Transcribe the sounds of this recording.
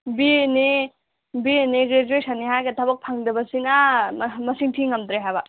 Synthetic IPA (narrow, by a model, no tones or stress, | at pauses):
bini | bieniɡɾed͡ʒuet̚sʰaniɦajɡɐtʰabɐk̚pʰaŋdɐbɐsinamɐsiŋtʰiŋːɐmtɾeɦajbɐ